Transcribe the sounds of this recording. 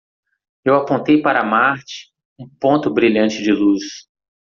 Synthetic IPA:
ewapõnt̪ejpaɾɐmaɾt͡ʃɪ̥ | ũpõnt̪ʊbɾiʎɐ̃t͡ʃɪd͡ʒɪlus

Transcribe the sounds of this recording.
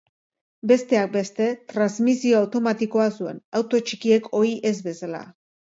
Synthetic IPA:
be̞st̪e̞ak̚be̞st̪e̞t̪ɾanzmisio̞awt̪o̞mat̪iko̞asue̞̰nawt̪o̞t͡ʃikie̞ko̞iʔe̞zbe̞sala̰

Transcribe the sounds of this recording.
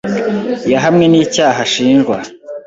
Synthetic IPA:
jaɦamŋe̞niːcaːɦaʃiːnʒɡwa

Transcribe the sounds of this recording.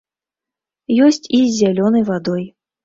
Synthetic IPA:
jɔsʲt͡sʲizʲːalʲɔnɐjvad̪ɔj

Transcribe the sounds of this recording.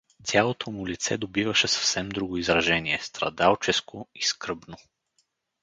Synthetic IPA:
t̪ʲjalˠot̪ʰomʊlit̪sɛ̰d̪obivɐʃɛsɐ̥fsɛmd̪ɾuɡoizɾɐʒɛniɛst̪ɾɐ̰d̪alˠt͡ʃɛskoiskɾɤbno

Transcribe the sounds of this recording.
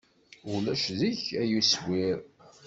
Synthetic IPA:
ulæʃðiçæjuswiɾ

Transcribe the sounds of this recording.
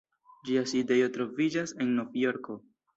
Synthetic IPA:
d͡ʒiaside̞jo̞tɾo̞vid͡ʒase̞nːo̞vjo̞ɾko̞

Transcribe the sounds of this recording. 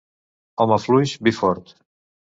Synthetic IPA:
ɔməflujʃbifɔɾt̪

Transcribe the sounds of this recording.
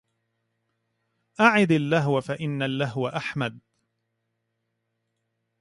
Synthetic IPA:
ʔaʕɪd̪alːaɦwafaʔɪnːalːaɦwaʔaħmad̪

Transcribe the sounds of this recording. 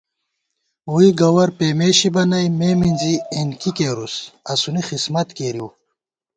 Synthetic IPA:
uiɡɐwɐɾpemeːɕibɐnɐjmeːminzienkikeːɾusɐsunixismɐt̪keɾiw

